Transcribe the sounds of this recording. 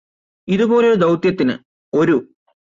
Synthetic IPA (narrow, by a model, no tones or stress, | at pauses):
iðubo̞ːleoɾud̪ɐwt̪jɐt̪ːinɨ̰ | o̞ɾu